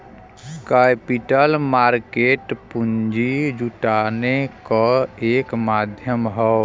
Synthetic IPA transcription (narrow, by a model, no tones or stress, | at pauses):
kapiʈəlmaɾkeːʈpund͡ʒid͡ʒuʈanekeːkmad̪ʱjəmɦəw